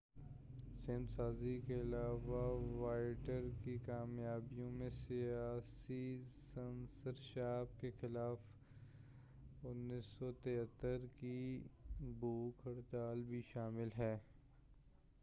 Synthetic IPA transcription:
sɪːmsaːzikeɪlaːʋaʋaːɪʈəɾkikaːmjaːbijõmẽsijaːsisɐnsəɾʃaːb̚kexɪlaːf | ʊnːiːsːɔt̪eɦət̪ːəɾki | buːkʰəɽt̪aːlbʱiʃaːmɪlɦɛː

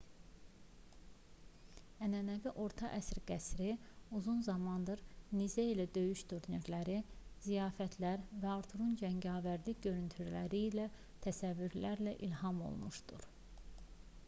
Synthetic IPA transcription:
ænænæviʔo̞ɾt̪ʰɑʔæsɾɡ̥æsɾiuzunzɑmɑnd̪ɯɾnizæilæd̪ø̞jyʃt̪uɾneɾlæɾizijɑːfæt̪ʰlæɾvæɑɾt̪ʰuɾund͡ʒæɲɟɑːvæɾd̪iɟø̞ɾynt̪ʰyɾlæɾiːlæ | t̪ʰæsævːyɾlæɾlæʔilhɑmo̰lˠmuʃd̪ṵɾ̥

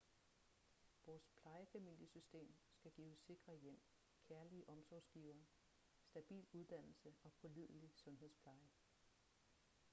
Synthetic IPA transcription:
ʋɒːspʰlɑ̈ɪəfæmil̰jəsysd̥e̝̰ːmsɡ̥æɡ̥iːʊsːe̝ɡ̥ʁɐjem̰ | kʰæɐliəʔɒ̽msɒːsɡ̥iːʊɐː | sd̥æb̥ḭːluðˠd̥æn̰l̩səɒ̽pʰɒ̽lið̰ˠlisɔ̽nɦe̝ð̰ˠspʰlɑ̈ɪə

